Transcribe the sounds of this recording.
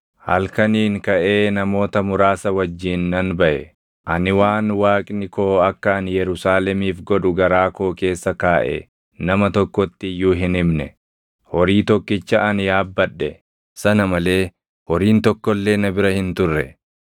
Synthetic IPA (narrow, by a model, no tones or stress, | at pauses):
hɐ̰lkɐniːŋkɐʔe̞ːnɐmo̞ːt̪ɐmʊɾaːsɐwɐd͡ʒːiːnːɐnbɐʔɛ | ʔɐnɪwaːnwaːkʼnɪko̞ːɐkːɐɐnjɛɾʊsaːlɛmiːfɡɔᶑʊɡɐɾaːko̞ːke̞ːsːɐkaːʔɛ̰ | nɐmɐt̪ɔkːɔt̪ːɪjuːɦɪnɪmnɛ̰ | hɔɾiːt̪ɔkːɪt͡ʃːɐʔɐnɪjaːbːɐᶑːɛ | sɐnɐmɐle̞ː | hɔɾiːnt̪ɔkːɔlːe̞ːnɐbɪɾɐhɪnt̪ʊrːɛ̰